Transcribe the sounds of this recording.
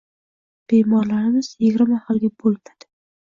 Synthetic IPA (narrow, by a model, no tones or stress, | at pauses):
b̥emɒɾlaɾɪmɪz̥jɪɡʲɾmahalɡʲabolˠmad̪̥ɪ